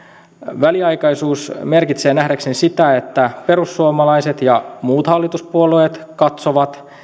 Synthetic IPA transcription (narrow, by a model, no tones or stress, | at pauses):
ʋæliɑjkɑjsuːsme̞rkit̪se̞ːnæhdeksensit̪æe̞t̪ːæpe̞ɾusːuomɑlɑjse̞t̪jɑmuːt̪hɑlːit̪uspuoloet̪kɑt̪so̞ʋɑt̪